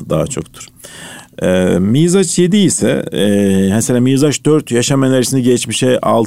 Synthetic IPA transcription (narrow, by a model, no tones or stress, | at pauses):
d̪aɦat͡ʃʰo̞̰kt̪ʰɯ̥ɾ̥ | ɛmijzat͡ʃje̞d̪iisɛ̰ | meselʲaːmizaʃd̪øɾt̪ʰjaʃamanʲeɾisinɛɟɛt͡ʃmiʃɛa̰lˠ